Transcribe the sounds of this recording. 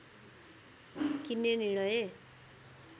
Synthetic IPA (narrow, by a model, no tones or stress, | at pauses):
kineniɽ̃ʌje